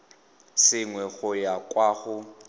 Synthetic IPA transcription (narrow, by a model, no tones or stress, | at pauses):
sɪŋwɛɣʊjakʼwaːɣʊ